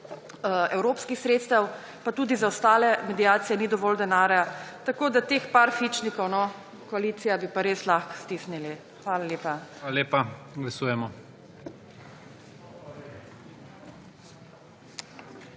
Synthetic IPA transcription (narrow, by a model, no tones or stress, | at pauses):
ɛwɾopskixsɾeːt̪st̪ɐw | pat̪uːd̪izaɔst̪aːlɛmɛd̪iaːt̪sijɛnid̪ɔʋɔːld̪ɛnaːɾjat̪akoːd̪at̪eːxpaɾfit͡ʃnikɔwnɔ | kɔaliːt̪sijabipaɾeslaxkst̪iːsnili | xʋaːlaljeːpaaleːpaɡlasuːjɛmɔ